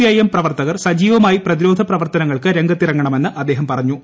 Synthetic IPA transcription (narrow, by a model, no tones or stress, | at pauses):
iɐjɐmprɐʋɐrt̪ɐɣɐrsɐd͡ʑiːʋɐmaːjiprɐðiɾo̞ːd̪ʱɐprɐʋɐrt̪ɐnɐŋːɐɭkɨɾe̞ŋɡɐt̪ːirɐŋɡɐɳɐme̞nːɨʔɐd̪ːe̞ːɦɐmpɐrɐɲːu